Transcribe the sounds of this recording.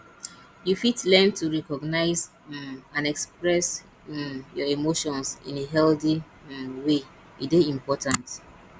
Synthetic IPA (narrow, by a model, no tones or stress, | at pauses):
jufitlɛ̃ntʰuɹɛkɔɡnaɪz | ãnɛkspɹɛs | jɔimoʃɔ̃nsḭ̃neɦɛldi | we | ideĩmpɔtãnt